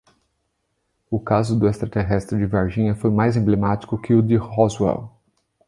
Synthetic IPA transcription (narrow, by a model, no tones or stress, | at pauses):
ʊkazʊd̪ʊest̪ɾat̪eɦɛst̪ɾɪd͡ʒɪveɾʒĩɲɐfojmajzẽmblemat͡ʃi̥kʊkɪʊd̪ɪhozwɛ̰w